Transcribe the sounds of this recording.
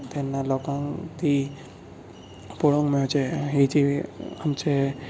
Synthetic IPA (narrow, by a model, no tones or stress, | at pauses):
t̪enːalɔkãŋt̪ʰi | poɽõŋmot͡ʃʰeɦid͡ʒiəmt͡ʃʰe